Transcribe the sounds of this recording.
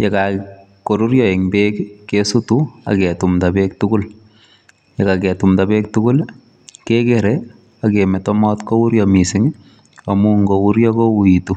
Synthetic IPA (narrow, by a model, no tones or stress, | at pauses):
jeka | koɾuɾjɔeŋbekkesutua̰kɛtumtabek̚tukʊl | jekakɛtumtapek̚tukʊl | kekeɾe | akemɛtɔmɔtkouɾjɔmisɪŋ | amuŋɡouɾjɔkouitu